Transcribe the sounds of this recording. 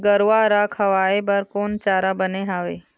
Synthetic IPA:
ɡɐɾʋaɾaːkʰɐʋaːebɐɾkoːnt͡ʃaːɾabɐneɦaːʋeː

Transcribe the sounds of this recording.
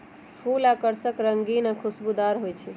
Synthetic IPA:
pʰulakəɾsəkɾəŋɡinakʰusbud̪aɾɦojt͡ʃʰɛ

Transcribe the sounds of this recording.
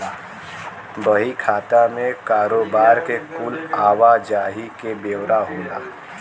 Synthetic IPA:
bəɦikʰaːt̪amẽkaːɾoːbaːɾkekuːlaːʋad͡ʒaːɦikebeːwɾaɦõːnd̪a̰ː

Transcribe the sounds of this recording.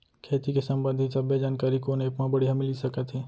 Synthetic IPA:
kʰeːt̪ikesɐ̃mbə̃nd̪ʱit͡ʃɐbed͡ʒaːnkaːɾikoneːpmãbəɽiɦɐmɪlisɐkət̪ɦɛː

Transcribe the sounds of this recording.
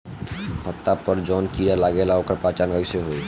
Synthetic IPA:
pət̪ːapəɾd͡ʒɔːnkiɾalaɡelaokəɾpɾat͡ʃanʋəɡseɦoi

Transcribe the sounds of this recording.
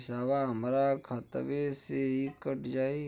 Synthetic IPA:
saːʋaɦəmɾakʰat̪ʋeseikəʈd͡ʒaːi

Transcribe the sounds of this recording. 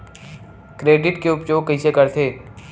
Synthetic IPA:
kɾeːɖɪʈkeʊpt͡ʃoːɡkɐɦĩsekɐɾt̪ʰeː

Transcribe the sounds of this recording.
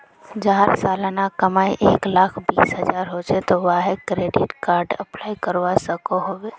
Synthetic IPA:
d͡ʒaːəɾsaːlnakəmaːiʔeːklaːkʰbḭːsɦəd͡ʒaːɾɦoːt͡ʃʰet̪oʋaːɦekɾeːɖɪʈkaːɾɖəplaːikəɾʋasəkoɦoːweː

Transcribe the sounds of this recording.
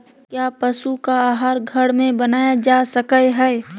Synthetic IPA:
kjaːpɐsukaaːɦaːɾɡʱɐɽmẽbɐnaːjad͡ʒaːsəkəeɦɛː

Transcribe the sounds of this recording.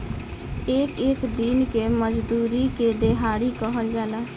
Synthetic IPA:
ɪkɪkd̪inkeːməd͡ʒd̪uːɾiːkeːd̪eɦaːɽiːkɔɦəld͡ʒaːlaː

